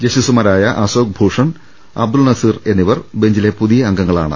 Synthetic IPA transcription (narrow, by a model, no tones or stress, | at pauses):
d͡ʑɐɕisumɐɾaːjɐʔɐsoːk̚bʱuːʂɐɳ | ɐ̰b̚d̪ulnɐsiːre̞nːiʋɐrbe̞ɲd͡ʑilepuðijɐːŋɡɐŋːɐɭa̰ːɳɨ̰